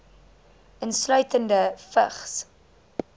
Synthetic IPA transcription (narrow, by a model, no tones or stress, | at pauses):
ʔənslœɥtəndəfə̰χs